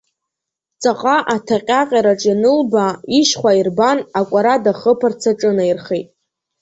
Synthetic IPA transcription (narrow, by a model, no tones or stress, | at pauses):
t͡sʼaqʼaʔatʰaqʲʼaqʲʼaɾaʈ͡ʂʼjanɨlbaiʃχʷairbanakʷʼaɾadaχəpʰart͡sʰaʈ͡ʂʼɨnairχejtʼ